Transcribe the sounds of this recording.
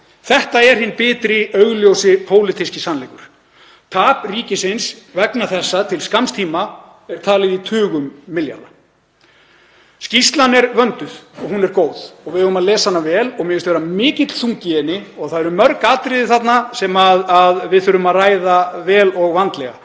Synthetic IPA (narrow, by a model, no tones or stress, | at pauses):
θɛht̪aɛɾ̥hɪnːpɪːt̪ɾɪœɥɣljowsɪpʰoːwlɪt̪ʰiscɪsanlɛkʏɾ̥ | t̪ʰaːpriːcɪsɪnsvɛknaθɛsːat̪ʰɪlskamst̪ʰiːma | ɛɾ̥t̪ʰaːlɪðit̪ʰʏːɣʏmːɪlja̰la̰ | scist̪lanɛɾvœnt̪ʏð̥ɔɣɦunɛɾkoːwð̥ɔɣvɪðœɣðʏmaðlɛːsahanːavɛːlɔɣmjɛʏst̪vɛɾamɪːcɪt̪l̥θuŋcɪɛnɪɔɣθaðɛɾʏmːœɾkaːt̪ɾɪðɪθat̪nasɛmaðaðvɪðθʏɾʏmaðraːjðavɛːlɔɣvant̪lɛɣa̰